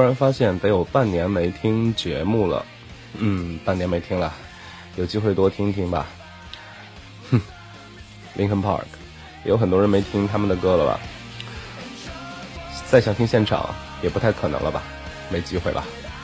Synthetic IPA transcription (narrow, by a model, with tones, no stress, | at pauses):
ɔ˥ɻə˧˥nfa˥ɕjɛ˥˩nt̪a˧˥jo˨˩ʊpa˥˩nnjɛ˧˥nme˧˥ɪt̪ʰi˥ŋt͡ɕɥɛ̰˧˥mu˥˩lə̰˩ | n̩˥˩pa˥˩njɛ˧˥nme˧˥ɪt̪ʰi˥ŋlə˨˩ | jo˨˩ʊt͡ɕi˥xwe˥˩ɪt̪wɔ˥t̪ʰi˥ŋt̪ʰi˥ŋbɐ̰˨ | n̩˥˩ | li˧˥ŋkʰə˥npʰɑ̰˥˩kʰ | jɛ˨˧˩jo˧˥ʊxə˨˩nt̪wɔ˥ə˧˥me˧˥ɪt̪ʰi˥ŋt̪ʰa˥mə˨nd̪ə˩kɤ˥lə˨bɐ̰˩ | t͡sa˥˩ɪɕjɑ˨˩ŋt̪ʰi˥ŋɕjɛ˥˩nʈ͡ʂʰɑ̰˨˩˦ŋjɛ˨˩pu˥t̪ʰa˥˩ɪkʰɤ˨˩ɤ̰˧˥ŋlə̰˧bɐ̰˩ | me˧˥ɪt͡ɕi˥xwe˥˩ɪlə̰˩